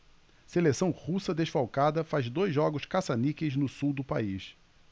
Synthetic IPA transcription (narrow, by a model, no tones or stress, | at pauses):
selesɐ̃w̃husɐd̪eʃfawkad̪ɐfazd̪ojzːɔɡʊʃkasanikeznʊsuwd̪ʊpais